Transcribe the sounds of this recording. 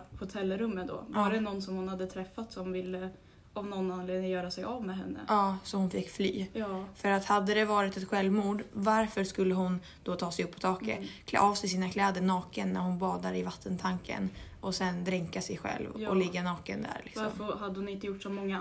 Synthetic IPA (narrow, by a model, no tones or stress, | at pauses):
hʊt̪ʰɛlːɾɵmːəd̪ɔ̰vaɖɛnɔnsɔmhʊnhad̪ːət̪ʰɾɛfːat̪sɔmvɪlːə | ʔɔmnɔnːanleːajœːɾasɛjʔavmɛɦɛnːə̰ɑːsɔhʊnfɪkːfly̰ːfœɾat̪had̪ːəd̪ɛvɑːɾɪt̪ɛt̪ɧɛlvmuːɖvaɾfœɾʂkɵlːəɦʊn | d̪̥ɔt̪ʰɑːsɛjɵpːɔ̥t̪ʰɑːkə̰t̪kʰl̰ʔɑːvsɛɪsiːnakʰlɛːd̪əɳɑːkənːæ̰ɾhʊnbɑːd̪aɾɪvat̪ʰːənt̪ʰaŋkə̰nʔɔsɛnd̪ɾɪŋkasɛjɧɛ̰lvʔɔlɪɡːanɑːkənd̪æ̰ɾlɪ̰ksɔmfhad̪ːəhʊnɪnt̪əjʊʈːsɔmɔŋːa